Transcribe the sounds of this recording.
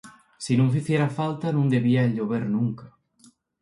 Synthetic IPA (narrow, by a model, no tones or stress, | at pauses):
sinõŋfiθjeɾafalt̪anũŋd̪eβiaeʎoβeɾnũŋkɐ